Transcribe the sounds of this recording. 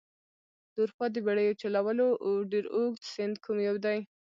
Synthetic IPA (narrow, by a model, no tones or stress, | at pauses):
d̪̥uɾxɑd̪əbeɽəjot͡ʃalawəloʔawɖeɾoɡt̪sɪnd̪kʰumjawd̪aj